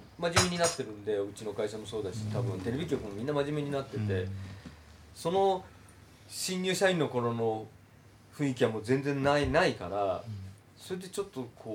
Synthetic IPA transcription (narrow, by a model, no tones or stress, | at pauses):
maʑimʲeɲ̟inat̪ːe̞ɾɯ̟̃nod̪e̞ɯ̟t͡ɕino̞kaiɕamo̞so̞ːd̪aɕi̥t̪abɯ̟̃nt̪e̞ɾe̞bʲikʲo̞kɯ̟mo̞mʲĩnːamaʑime̞ɲ̟inat̪ːe̞t̪e̞ | so̞no̞ | ɕĩɲjɨːɕaĩnːo̞ko̞ɾo̞no̞ | ɸɯ̟̃ɰ̃ikʲiβamoːd͡zẽ̞nd͡zẽ̞nːainaika̰ɾa | so̞ɾed̪e̞t͡ɕo̞t̪ːokʰoː